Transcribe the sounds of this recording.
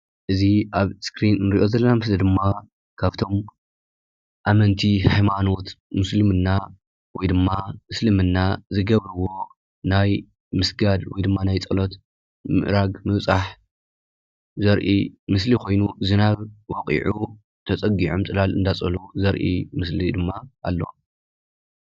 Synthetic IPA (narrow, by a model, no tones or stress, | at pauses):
ʔɨziʔaβskɾinɨnɾiʔo̞zɐlːɐnamɨslid̪ɨmːa | kʰaβt̪ʰo̞m | ʔamɐnt̪ʰihajmano̞t̪mɨslɨmɨnːa | wɔjd̪ɨmːamɨslɨmɨnːazɨɡɐβɾɨwːo̞ | naj | mɨsɡad̪wɔjd̪ɨmːanajt͡sʼɐlot̪ | mɨ̰ʔɾaɡmɨβt͡sʼaħ | zɐɾʔḭmɨslikʰo̞jnuzɨnaβwɔkʼḭʕu | t̪ʰɐt͡sʼɐɡiʕumt͡s̪ʼɨlalɨnd̪at͡sʼɐluzɐɾʔḭmɨslid̪ɨmːaʔalːo̞̰